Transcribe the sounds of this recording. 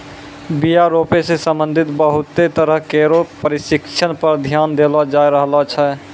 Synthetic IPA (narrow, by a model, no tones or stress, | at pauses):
bijaɾopesesə̃mbənd̪ʱit̪bəɦut̪ːet̪əɾəɦkeɾopəɾisikt͡ʃʰənpəɾd̪ʱjand̪elɔd͡ʒajɾəɦlat͡ʃʰɛ